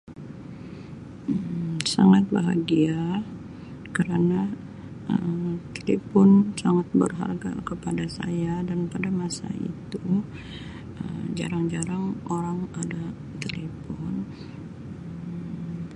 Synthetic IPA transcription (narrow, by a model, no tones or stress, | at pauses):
saŋat̪̚baɦaɡia | kəɾana | ʔət̪elefɔnsaŋat̪̚bərɦa̰rɡa̰kəpadasa̰jadanpadamasa̰ḭt̪u | əmd͡ʒa̰ɾaŋd͡ʒaɾaŋoɾaŋada | t̪elefɔn | ə